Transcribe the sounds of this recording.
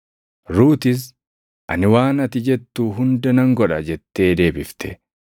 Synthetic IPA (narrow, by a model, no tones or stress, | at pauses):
ɾuːt̪ɪs̬ | ʔɐnɪwaːnɐt̪ɪd͡ʒɛt̪ːuːɦʊnd̪ɛnɐŋɡɔᶑɐd͡ʒɛt̪ːe̞ːd̪e̞ːbɪft̪ɛ